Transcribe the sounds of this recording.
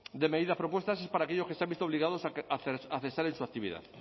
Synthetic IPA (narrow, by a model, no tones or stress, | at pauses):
d̪emeðiðapɾopwost̪as̬espaɾakeʎokest̪ambist̪oβliɣaðosaaaθesaɾẽnsuakt̪iβḭða̰ð